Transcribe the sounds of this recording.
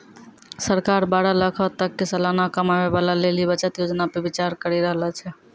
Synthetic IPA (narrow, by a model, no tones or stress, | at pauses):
səɾkaɾbaɽaləkʰət̪əkːesəlanakəmabebalalelibət͡ʃət̪jod͡ʒnapebit͡ʃaɾkəɾiɾəɦlat͡ʃʰɛ